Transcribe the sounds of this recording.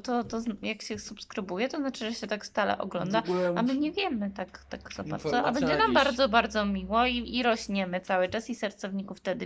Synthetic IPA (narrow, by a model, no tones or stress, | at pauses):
t̪ɔt̪ɔzjakɕɛsupskɾɘbujɛt̪ɔznat͡ʂɘʐɛɕɛt̪akst̪alɛ̰ʔɔ̰ɡlɔ̰nd̪aa̰mɘɲɛvʲjɛmɘt̪akt̪akzapat̪ʂɛʔa̰bɛɲd͡ʑɛnambaɾd̪zɔbaɾd̪zɔmʲiwɔiiɾɔɕɲɛmɘt̪sawɘt͡ʂasisɛɾt̪sɔvɲikuft̪ɛd̪ɘ